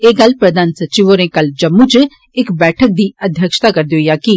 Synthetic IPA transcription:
eːɡəlpɾəd̪aːnsət͡ʃiʋoːɾẽːkəld͡ʒəmːũt͡ʃ | ɪkbɛːʈʰək̚d̪iːəd̪ʱjəkʃt̪aːkəɾd̪eoijaːki

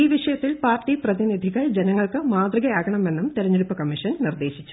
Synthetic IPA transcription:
iːʋiʂɐjɐt̪ːilpaːrtːiprɐðinid̪ʱiɣɐɭd͡ʑenɐŋːɐɭkɨmaːd̪riɣɐjaːɡɐɳɐme̞nːumt̪iɾɐɲːeɽupːɐkɐmːiʂɐnnird̪e̞ːɕi̥t͡ɕːu̥

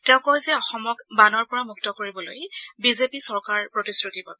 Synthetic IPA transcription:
tɛʊ̃kɔjzɛɔxɔmɔkbanɔɹpɔɹamuk̚tɔkoɹibɔlo̰jbizepisɔɹkaɹpɹotisɹutiba̰b̚

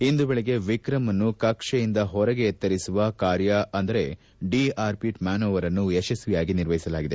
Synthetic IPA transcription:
ind̪ubeɭeɡe̞ʋikɾɐmɐnːukɐkʂɐjind̪ɐɦɔɾɐɡe̞ːt̪ːɐɾisuʋɐkaːɾjɐɐnd̪ɐɾe̞ | ɖiaːɾpiʈmaːnoːʋɐɾɐnːueʃɐsʋijaːɡiniɾʋɐɦjisɐlaːɡid̪e̞

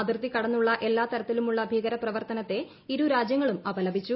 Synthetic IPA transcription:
ɐd̪irt̪ikɐɽɐnːuɭːɐʔe̞lːaːt̪ɐɾɐt̪ːilumuɭːɐbʱiːɣɐɾɐprɐʋɐrt̪ɐnɐt̪ːe̞ | iɾuɾaːd͡ʑjɐŋːɐɭumɐbɐlɐbʱit͡ɕːu

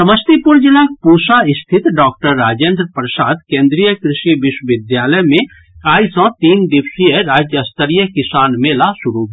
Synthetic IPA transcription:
sɐməst̪ipʊɾd͡ʒɪlak̚puːsaɪst̪ʰɪt̪ɖɔːk̚ʈəɾːaːd͡ʒẽːnd̪ɾəpɾʃaːd̪kẽːnd̪ɾijəkɾɪʃiʋɪʃwəʋɪd̪jaːləjmẽ | aːisɔ̃t̪iːnd̪ɪʋsijəɾaːd͡ʒjəɐst̪əɾijəkɪsaːnmẽlaʃʊɾub

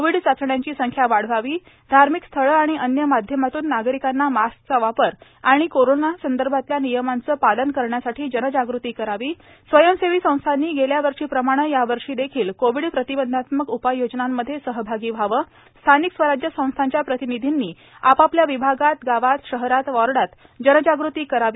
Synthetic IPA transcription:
koʋiɽsapsəɳjaɲt͡ɕiːsəŋkʰjaʋaɽ̤ʋaʋiː | d̪ʱaɾmikst̪ʰəɭəaɽ̃iʔənjəmad̪ʱjəmat̪uːnːaɡɾikanːamask̚t͡saʋapəɾ | aɽ̃ikoɾonasənd̪əɾbʱat̪ljanijəmant͡səːpalənkəɾɳjasaʈʰiːd͡ʑənəd͡ʑaɡɾut̪iːkəɾaʋiː | sʋəjəmseʋiːsə̃w̃st̪ʰanːiːɡeljaʋəɾʂiːpɾəmaɽ̃əjaʋəɾʂiːd̪ekʰiːlkoʋ̤iɽpɾət̪ibənd̪ʱat̪məkupajod͡ʑnamːəd̪ʱːjesəɦbʱaɡiːʋʱaʋəː | st̪ʰaniksʋəɾad͡ʑjəsə̃w̃st̪ʰaɲt͡ɕjapɾət̪inid̪ʱinːiː | apapljaʋibʱaɡat̪ɡaʋat̪ɕəɦɾat̪ʋɔɾɽat̪ | d͡ʑənəd͡ʑaɡɾut̪iːkəɾaʋi

